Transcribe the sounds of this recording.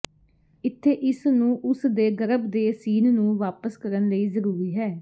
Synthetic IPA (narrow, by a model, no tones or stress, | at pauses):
ɪt̪ʰːeːʔɪsnũːʔʊsd̪eːɡəɾəbd̪eːsiːnnũːʋaːpəskəɾənləiːzəɾuːɾiːɦɛː